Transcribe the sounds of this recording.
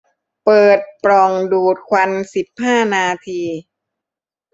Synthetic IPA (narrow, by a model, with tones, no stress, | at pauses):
pɤː˨˩t̪̚pɾɔ˨˩ŋduː˨˩t̪̚kʰwa˧nsi˨˩p̚ɦaː˥˩naː˧t̪ʰiː˧